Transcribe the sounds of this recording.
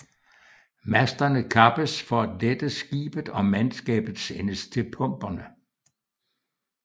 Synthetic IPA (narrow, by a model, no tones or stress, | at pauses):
mæsd̥ɐnəkʰɑ̈b̥əsfɒ̽æd̥led̥əsɡ̥ḭːb̥ð̩ˠɒ̽mænsɡ̥ɛ̰ːb̥ð̩ˠsenəst͡sʰe̝lpʰɔ̽m̰b̥ɐnə